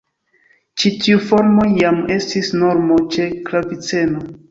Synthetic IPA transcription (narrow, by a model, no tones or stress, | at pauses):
t͡ʃitʰiufo̞ɾmo̞jame̞stisno̞ɾmo̞t͡ʃe̞klavit͡se̞no